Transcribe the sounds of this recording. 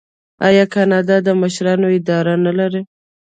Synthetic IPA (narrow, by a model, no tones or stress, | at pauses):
ɑ̰jɑkɑnɑd̪ɑd̪əməʃɾɑnoɪd̪ɑɾanalaɾe